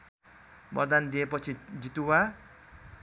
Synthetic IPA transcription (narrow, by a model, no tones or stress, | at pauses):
bʌrd̪and̪iepʌt͡sʰid͡zit̪uwa